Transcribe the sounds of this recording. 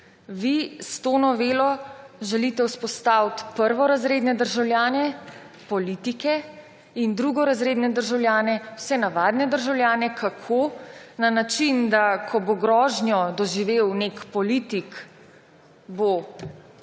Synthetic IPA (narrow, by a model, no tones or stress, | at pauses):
ʋist̪onɔʋeːlɔʒɛlit̪ɛuspɔst̪awt̪pəɾʋɔɾazɾeːd̪nɛd̪əɾʒawljaːnɛ | pɔlit̪ikɛ | ind̪ɾuɡɔɾazɾeːd̪nɛd̪əɾʒawlʲjaːnɛwsɛnaʋaːd̪nɛd̪əɾʒawlʲjaːnɛkʰakʰonanat͡ʃind̪akʰɔboɡɾɔːʒnjɔd̪ɔʒiʋewnekpɔlit̪ik | bo